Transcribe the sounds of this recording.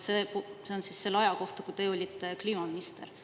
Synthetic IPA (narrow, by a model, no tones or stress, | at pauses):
sepuse̞onsisse̞lːɑjɑko̞ht̪ɑkut̪e̞ːo̞lʲit̪ːˑekliːmɑminist̪e̞̰r